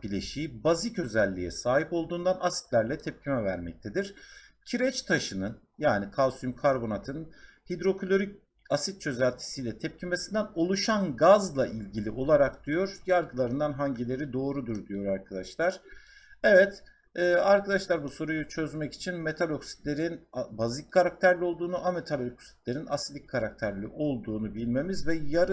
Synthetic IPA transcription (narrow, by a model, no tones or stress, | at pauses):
bilʲeʃiːibazicø̞zælʲːijɛ̰saːɦipo̞lˠd̪uːnd̪anʔasi̥t̪lʲæɾlʲɛt̪ʰɛp̚cʰimɛvæɾmɛ̰c̚t̪ʰed̪iɾ̥ | cʰiɾɛt͡ʃt̪ʰaʃɯnɯn | jaːnikʰalˠsymkʰaɾbo̞nat̪ʰɯnhid̪ɾo̞kʰlʲo̞ɾic | asit̪̚t͡ʃʰø̞zælʲt̪ʰi̥sijlʲɛt̪ʰɛp̚cʰimesind̪æno̞lˠuʃanɡazlˠaʔilʲɟilʲiʔo̞lˠaɾakd̪̥ijo̞ɾjaɾɡɯlˠaɾɯnd̪anɦaɲɟilʲe̞ɾid̪o̞ːɾud̪uɾd̪ijo̞ɾaɾkʰad̪aʃlˠaɾ̥ | evɛt̪ | ɛːaɾkad̪aʃlˠaɾbuso̞ɾujut͡ʃʰø̞zmɛci̥t͡ʃʰinme̞t̪ʰalʲoksi̥t̪lʲe̞ɾinbazic̚kʰːaɾak̚t̪ʰæɾlʲio̞lˠd̪uːnuʔame̞t̪ʰalʲoksi̥t̪lʲe̞ɾinasid̪ic̚ʲʰkʰaɾak̚t̪ʰæɾlʲiʔo̞lˠd̪uːnubilʲme̞mizvɛjaɾ